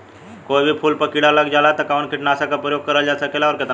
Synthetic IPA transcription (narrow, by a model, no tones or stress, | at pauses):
kojbʱiːpʰuːlpəkiɽaləɡd͡ʑalat̪əkawɳkiʈnaəsakapɾəjoɡ̚kəɾəld͡ʑasəkelaɔɾket̪